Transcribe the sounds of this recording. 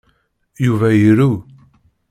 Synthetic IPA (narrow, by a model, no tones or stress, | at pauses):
juvæjiɾu